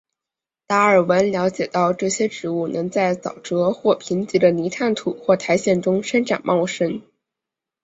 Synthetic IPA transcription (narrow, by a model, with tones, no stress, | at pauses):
t̪a˧˥ə˞˨˩wə˧˥nljɑ˧˥ʊt͡ɕjɛ˨˩t̪ɑ˥˧ʊʈ͡ʂɤ˥˩ɕjɛ˥ʈ͡ʂɻ̩˧˥u˥˩nʔɤ˧˥ŋt͡sa˥˩ɪt͡sɑ˨˩ʊʈ͡ʂɤ˧˥xwɔ˥˩pʰi˧˥nt͡ɕi˧˥d̪ə˧ni˧˥t̪ʰa˥˩nt̪ʰu˨˩xwɔ˥˩t̪ʰa˧˥ɪɕjɛ˥˩nʈ͡ʂʊ˥ŋʂə˥nʈ͡ʂa̰˨˩nmʔɑ˥˧˩ʊʂə˥n